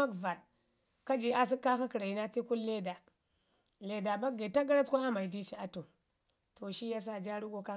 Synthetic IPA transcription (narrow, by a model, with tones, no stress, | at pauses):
a˦kva˨t | ka˦d͡ʒi˨a˦s̬i˦kːa˦ka˦ki˨ɾa˨ji˦na˦ti˦ku˦lle˦da˨ | le˨da˨ba˦ɡe˨ta˦ɡa˦ɾa˦tkʷa˦a˦ma˨i˨di˦si˦a˦to˨ | to˨ʃi˦ja˦s̬a˦˨d͡ʒa˦ɾu˦ɡo˨ka˦